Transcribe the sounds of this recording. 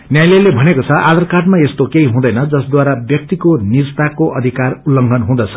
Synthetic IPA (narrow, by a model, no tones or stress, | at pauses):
njajlelebʱʌnekot͡sʰʌʔad̪ʌrkaʈmaest̪okeɦiɦũd̪ʌjnʌd͡zʌsd̪waɾabjʌk̚t̪ikonirst̪akoʔʌd̪ʱikarulːʌŋɡʱʌnɦũd̪ʌt͡sʰʌ̥